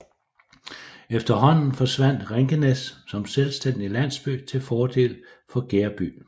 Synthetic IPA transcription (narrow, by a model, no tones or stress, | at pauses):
efd̥ɐɦɒ̽n̰n̩fɒ̽sʋæn̰d̥ʁeŋɡ̥ənessɒ̽mselsd̥en̰d̥ilæn̰sb̥y̰t͡sʰe̝lfɒːd̥e̝̰ːl | fɒ̽ɡ̥eɐb̥y̰ː